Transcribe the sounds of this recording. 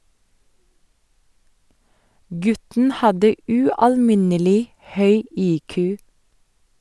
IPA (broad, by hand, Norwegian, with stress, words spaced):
ˈɡʉtn̩ ˈhɑdə ʉɑlˈmɪnəlɪ ˈhœʏ ˈiːkʉː